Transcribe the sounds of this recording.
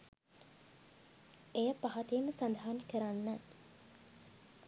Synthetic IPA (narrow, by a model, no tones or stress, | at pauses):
ejəpaɦɐt̪ejəməsand̪aɦankəɾanːæ